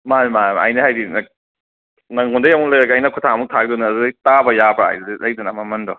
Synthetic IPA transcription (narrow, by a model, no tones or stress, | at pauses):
manmajmɐ̰jnɐhajdinɐ | nɐŋundɐjamuŋlɐjɾɐɡɐːjnɐkʰutʰaɐmuk̚tʰaɡ̚dunaːdudɐjtabɐjabɾaa̰jdudlɐjdunamamɐndɔ